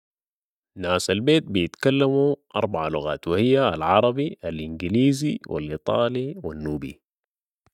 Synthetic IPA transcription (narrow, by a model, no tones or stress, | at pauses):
naːsalbeːt̪̚bijɪt̪kalːamuʔɑɾˤbaʕaluɣa̰ːt̪wihijːaːlʕɑɾˤɑbialʔinɡiliːziwʔa̰lʔit̪ˤɑːliwanːuːbḭ